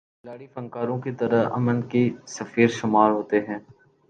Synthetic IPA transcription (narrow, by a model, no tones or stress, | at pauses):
ɪlaːɽifɐ̃ŋkaːɾõkit̪ɐɾəɦɐ̰mənkisəfiːɾʃʊmaːɾɦoːt̪eɦɛ̃ː